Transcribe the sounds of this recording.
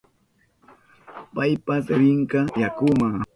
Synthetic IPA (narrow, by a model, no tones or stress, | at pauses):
pajpasɪɾɪɴkɑjakʊmaŋ